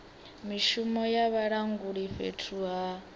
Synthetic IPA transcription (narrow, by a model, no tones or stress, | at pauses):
miʃumɔjaβaɺaŋɡuɺiɸḛtʰuɦa